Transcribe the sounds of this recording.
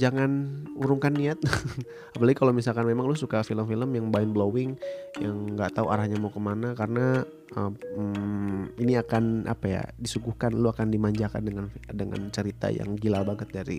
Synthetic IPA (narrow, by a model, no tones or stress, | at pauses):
d͡ʒaŋanuɾuŋkanːiat̪̚ | apalaɡikalomisalkanmemaŋlusukafiləmfiləmjaŋbaɪnblowɪŋjaŋɡaʔt̪auaɾahɲamakəmanakarəna | əminiakana̰paja̰disuɡuhkanluakandimaɲd͡ʒaka̰ndəŋandəŋa̰nt͡ʃəɾit̪a̰ja̰ŋɡilabaɡət̪̚daɾḭ